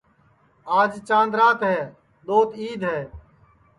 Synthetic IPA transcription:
aːd͡ʒt͡ʃãːnd̪ɾaːt̪ɦɛː | ɗ̪oːt̪iːd̪ʱɦɛː

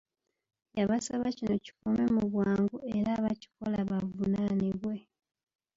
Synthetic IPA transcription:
jaβasaβacino̞ci̥kome̞muβwaːŋɡue̞ɾaβaci̥kolaβavunaniβwe̞

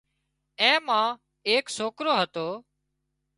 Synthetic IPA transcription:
ɛ̃ːmãː | eːksoːkɾoːɦət̪oː

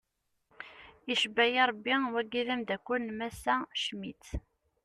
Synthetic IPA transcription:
iʃbæjiɾˤbːiwæɡiðæmd̪ækʷːʊnmæsæʃmit̪

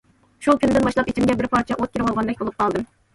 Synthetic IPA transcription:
ʃukʲynd̪ɪnbɑʃlˠɑpit͡ʃʰimɡʲɛbɪɾpʰɑɾt͡ʃʰɛʔot̪̚kʲʰeɾwɑlˠʁɑnd̪ɛk̚ʲbolˠɨp̚qʰɑlˠd̪ɨm

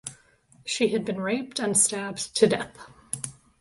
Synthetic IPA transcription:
ʃiɨd̚bɨ̃nɹeɪp̚tɨ̃nstæbtʰɨdɛθ

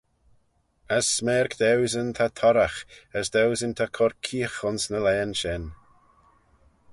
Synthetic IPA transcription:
əsːmɛːɾkd̪ɛwzənt̪ʰat̪ʰɔɾaxəsd̪ɛwzənt̪ʰakʰɔɾkʰiːxʊnsnəlɛːnʃɪn

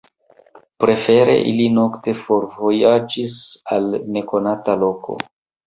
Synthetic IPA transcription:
pɾe̞fe̞ɾe̞̰ʔḭlino̞kte̞fo̞ɾvo̞jad͡ʒisalne̞ko̞natalo̞kʰo̞̰

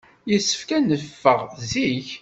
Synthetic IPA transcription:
jəsːə̥fkænəfːəʁziç

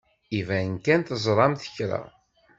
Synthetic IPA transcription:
ivæənkænt̪əzˤɾˤɑmθə̥çɾə̰

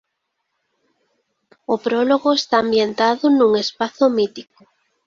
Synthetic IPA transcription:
opɾɔloɣoest̪aːmbjent̪aðʊnũŋespaθʊmit̪ikʊ

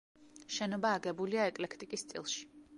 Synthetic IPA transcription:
ʃɛnɔbaːɡɛbuliaɛkʼlɛkʰt̪ʼikʼist̪sʼḭlˠʃi̥

